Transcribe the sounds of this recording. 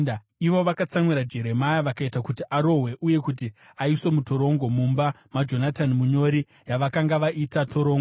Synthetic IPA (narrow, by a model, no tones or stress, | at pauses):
iʋo̞ʋakat͡samwiɾad͡ʒe̞ɾe̞majaʋakaitakutiʔaɾo̞ɦwe̞ʔuje̞kut̬i | aiso̞muto̞ɾo̞ŋɡo̞mumba | mad͡ʒo̞natanmuɲo̞ɾi | jaʋakaŋɡaʋaʔitatʰoɾo̞ːŋɡo